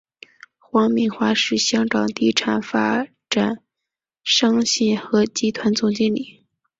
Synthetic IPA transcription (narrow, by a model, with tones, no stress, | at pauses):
xwɑ˧˥ŋmi˧˩ŋxwa˥ʂɻ̩˥˩ɕjɑ˥ŋkɑ˨˩ŋt̪i˥ʈ͡ʂʰa˨˩nfa˥ | ʈ͡ʂa˨˩˦n | ʂɑ˥ŋɕɛ˥˩nxɤ˧˥t͡ɕi˥t̪ʰwa˧˥nt͡sʊ˥˩ŋt͡ɕi˥˩nli˨˩˦